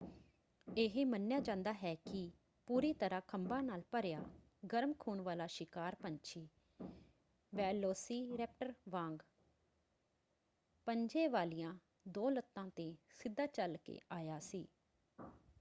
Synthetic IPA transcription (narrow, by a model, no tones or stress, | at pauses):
eːɦeːmənjaːd͡ʒãːnd̪aːɦɛːkɪ | puːɾiːt̪əɾãːkʰəmbãːnaːlpəɾjaː | ɡəɾmkʰuːnʋaːlaːʃɪkaːɾpəɲt͡ʃʰiː | ʋɛːloːsiːɾɛːp̚ʈəɾʋãːŋɡ | pəɲd͡ʒeːʋaːlijãː | d̪oːlət̪ːãːt̪eːsɪd̪ːaːt͡ʃəlkḛːʔaːjaːsiː